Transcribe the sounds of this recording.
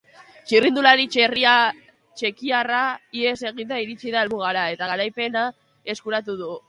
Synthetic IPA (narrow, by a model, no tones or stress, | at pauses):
t͡ʃirind̪ulaɾit͡ʃeria | t͡ʃe̞kiaraie̞se̞ɣint̪aiɾit͡ʃiðaelβuɣaɾae̞t̪aɣaɾajpe̞na | e̞skuɾat̪uðu